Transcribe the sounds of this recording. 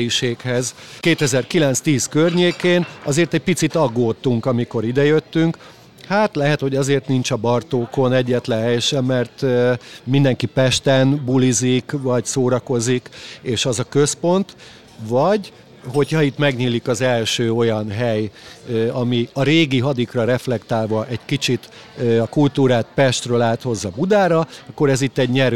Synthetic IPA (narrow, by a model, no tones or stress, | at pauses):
jiʃeːkhɛzkeːt̪ɛzɛrkilɛnt̪st̪iːskørɲeːkeːnɒzeːrt̪ɛɟ̚pit̪sit̪ɒɡːoːt̪ːuŋkɒmiko̞ɾid̪ɛjøt̪ːyŋk | haːt̪lɛɦɛt̪ho̞ɟɒzeːrt̪nint͡ʃɒbɒrt̪oːko̞nɛɟːɛt̪lɛnɦɛjɛʃɛmːɛrt̪mind̪ɛŋkipɛʃt̪ɛnbulizikvɒɟsoːɾɒko̞zikeːʃɒzɒkø̞spo̞nt̪ | vɒɟ | ɦo̞cʰhɒit̪mɛɡɲiːlikɒzɛlʃøːo̞jɒnɦɛj | ɒmiɒɾeːɡiɦɒd̪ikrɒɾɛflɛkt̪aːlvɒʔɛɟkit͡ʃit̪ | ɒkult̪uːɾaːt̪pɛʃt̪rølaːt̪ho̞zːɒbud̪aːɾɒɒkːo̞ɾɛzit̪ːɛɟɲɛɾ